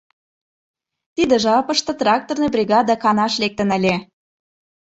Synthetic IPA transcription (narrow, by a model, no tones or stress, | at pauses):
t̪id̪ə̆ʒɑpə̆ʃt̪ɤ̆t̪rɑk̚t̪ornɤbrʲiɣɑd̪ɑkɑnɑʃlek̚t̪ə̆nə̆lʲe